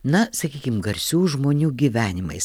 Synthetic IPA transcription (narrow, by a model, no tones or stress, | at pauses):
nɐsɐkʲiːkʲɪmɡɐɾʲsʲuːʒmoːnʲuːɡʲiːʋʲæːnʲɪmɐ̰ɪs